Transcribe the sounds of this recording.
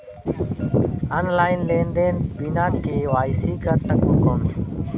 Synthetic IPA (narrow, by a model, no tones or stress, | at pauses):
ənlaːɪnleːnd̪eːnbiːnaːkk̪ʰeːʋaːɪsiːkəɾsəkõːkoːn